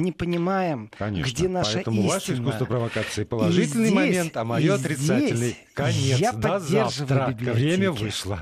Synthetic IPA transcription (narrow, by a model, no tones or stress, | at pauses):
nʲɪpənʲɪmajɪmkɐ̰nʲḛɡdʲenapɐʂɛət̪əmʊivaʂʲəiskust̪vəpɾəvɐkat̪sɨɪpəlˠʐɨtʲɪlʲnɨjjmɐent̪ɐmɐjjoɐt̪ɾʲɪt̪saeɪlʲnɨj | kɐnʲetjadpɐadzʲːerʐɨvlʲɪbʲivɾʲemʲəvvɨʂlˠə